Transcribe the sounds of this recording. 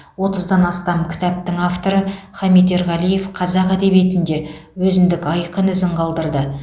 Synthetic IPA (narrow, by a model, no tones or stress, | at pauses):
wo̞t̪əzd̪ɑnɑst̪ɑmkʲʰɪ̥t̪æp̚t̪ɪŋaft̪o̞ɾəχɑmijt̪e̞ɾʁɑlije̞fqʰɑzɑqæd̪e̞βje̞t̪ɪnd̪e̞wɵzɪnd̪ɪkɑjqənɪzɪɴqʰɑlˠd̪əɾd̪ə